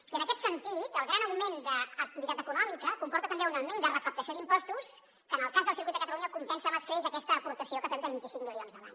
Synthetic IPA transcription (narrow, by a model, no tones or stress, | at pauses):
iənəkɛt̪sənt̪it̪əlˠɣɾanəwmend̪əːk̚t̪iβit̪at̪əkunɔmikəkumpɔɾt̪ət̪əmbeunəwmend̪ərəkəp̚t̪əsiod̪impɔst̪us | kənəlˠkazðəlˠsiɾkwitd̪əkət̪əluɲəkumpɛnsəməskɾezəkɛst̪əːpuɾt̪əsiokəfɛmd̪əβint̪isiŋkmilionzəla̰ɲ